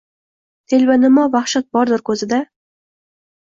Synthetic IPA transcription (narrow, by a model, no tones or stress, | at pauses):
t̪ʰelʲvanɪmɒvaχʃat̪̚bɒɾd̪ɪɾkʰɵzɪd̪a